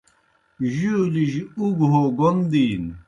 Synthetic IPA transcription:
ʑuliʑuɡɦoɡond̪iːn

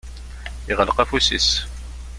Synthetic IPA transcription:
iʁəlqæfusḭs

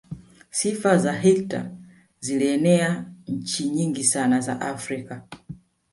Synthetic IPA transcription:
sifazaɦikta̰ | ziliɛnɛaɲ̩t͡ʃiɲiŋɡisanaza̰ʔafɾika

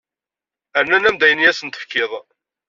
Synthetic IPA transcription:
əɾnænæmd̪æjənijæsənt̪ə̥fkːɪðˤ

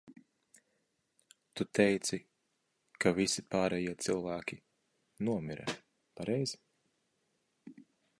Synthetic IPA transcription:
t̪ut̪ɛjt̪si | kʰavisipaːɾɛjiɛt̪silˠvæːkʲi | nuɔmiɾa̰ | paɾɛjz̥

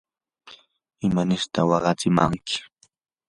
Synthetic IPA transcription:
ɪmanɪɾt̪awɑɢɑt͡sɪma̰ŋkɪ̥

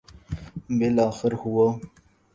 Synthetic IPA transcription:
bɪlɑːxɪɾhuwo

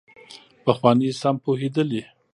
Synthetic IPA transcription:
paxwɑnisampohed̪əli

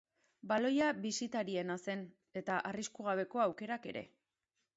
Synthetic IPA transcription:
balo̞jaβisit̪aɾie̞nase̞n | e̞t̪aʔariskuɣ̞aβ̞e̞ko̞awke̞ɾake̞̰ɾe̞̰

